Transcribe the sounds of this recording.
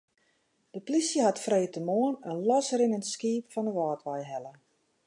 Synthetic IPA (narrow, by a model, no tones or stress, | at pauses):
d̥əplisjəɦatfrejtəmoənənlɔsrɪnəntskiːpfɔnəʋɔːtʋɛjɦɛlə